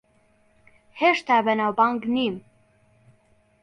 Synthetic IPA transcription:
heʃt̪aːbɛnawbaŋɡnim

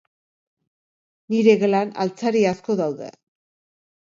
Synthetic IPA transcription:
niɾe̞ɣelana̰lt͡saɾiasko̞ðawðḛ

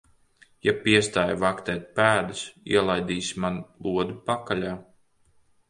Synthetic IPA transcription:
japiɛst̪aːjvakt̪ɛːt̪̚pæːd̪usḭɛlˠajd̪iːsimanlˠuɔd̪upakalʲaː

